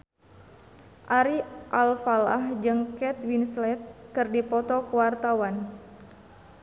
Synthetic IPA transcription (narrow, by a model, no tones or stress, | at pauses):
ʔaɾiʔalfala̰hd͡ʒɨŋkɛt̪winslɛt̪̚kɨrdipɔt̪ɔkuwart̪awan